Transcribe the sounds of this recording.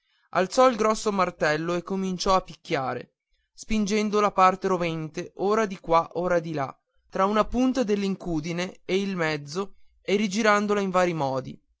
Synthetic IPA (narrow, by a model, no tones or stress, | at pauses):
a̰lt̪sɔilɡɾɔsːomart̪ɛlːoekːomint͡ʃɔapːikʲːjaːɾḛ | spind͡ʒɛnd̪olapart̪eɾovɛnt̪eʔoːɾad̪ikwaʔoːɾad̪ila̰ | t̪ːɾaunapunt̪ad̪elːiŋkuːd̪ineeilmɛd̪zːo | erid͡ʒiɾand̪olaiɱvaːɾimɔːd̪ḭ